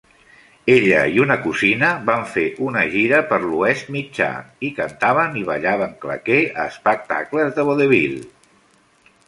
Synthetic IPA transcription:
eʎə̰iunəkuzinəβaɱfeʔunəʒiɾəpəɾluɛst̪mid͡ʒa̰ikənt̪aβ̞əniβ̞əʎaβəŋklə̰keəːspək̚t̪a̰kləzðəβoðəβilˠ

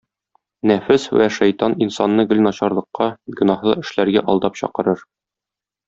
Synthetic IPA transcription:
næfɘswæ̰ʃæjt̪ɑninsɑnːɤɡɵ̆lʲnɒɕɑɾlˠɤ̆qːɑɡɵ̆nɑhlˠɤɘ̆ʃlæɾɡæʔɒlˠd̪ɑpɕɒ̰qɤ̆ɾɤɾ

